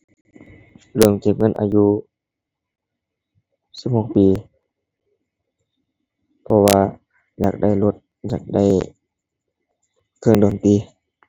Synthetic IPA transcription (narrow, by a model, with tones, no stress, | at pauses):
lɯ˧˩əŋt͡ɕe˧˩p̚ŋɤ˧˥˨nʔa̰ː˧juː˧ | si˧˥˩p̚ho˧˩˨k̚piː˨ | pʰɔ˧waː˧ | ja̰ː˨˩k̚da˥˩˨jlo˧t̪̚ | ɲaː˨˩k̚da˥˩˨j | kʰɤː˧˥˨ŋdoː˨˩nt̪iː˧˦